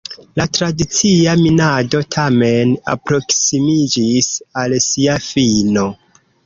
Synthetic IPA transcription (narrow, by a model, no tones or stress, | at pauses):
latɾadit͡siaminado̞tʰame̞na̰pɾo̞ksimid͡ʒisalsiafino̞